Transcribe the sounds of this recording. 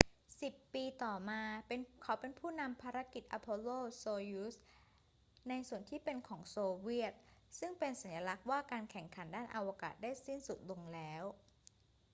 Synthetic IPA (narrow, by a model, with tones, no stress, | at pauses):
si˨˩pːiː˧t̪ɔː˨˩maː˧pe˧nkʰa˦˥wpe˧npʰuː˥˩na˧mpʰaː˧ɾa˦˥ki˨˩t̪̚ʔa˧pʰo˧loː˥˩soː˧juː˦˥s | na˧jsu˨˩ənt̪ʰiː˥˩pe˧nkʰɔː˩˦ŋsoː˧wi˥˩ət̪̚sɯ˥˩ŋpe˧nsa˩˦njaː˧la˦˥k̚waː˥˩kaː˧nkʰɛ˨˩ŋkʰa˩˦ndaː˥˩nʔa˧wa˧ka̰ː˨˩t̪̚daː˥˩jsi˥˩nsu˨˩t̪̚lo˧ŋlɛː˦˥w